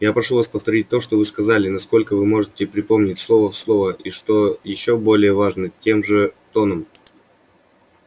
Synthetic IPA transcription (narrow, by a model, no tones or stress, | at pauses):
japɾɐʂuvaspəft̪ɐɾʲit̚ʲt̪o̞ʂt̪ovɨskɐzalʲɪnɐsko̞lʲkəvɨmo̞ʐɨtʲɪpɾʲɪpo̞mnʲɪtʲslˠo̞vəfslˠo̞vəʔiʂt̪o̞jɪɕːobo̞lʲɪjəvaʐnətʲe̞mʐɨt̪o̞nəm